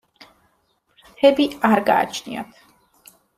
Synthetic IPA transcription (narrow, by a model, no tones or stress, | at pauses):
ɾt̪ʰɛbiaɾɡa̰ːt͡ʃʰnia̰t̪ʰ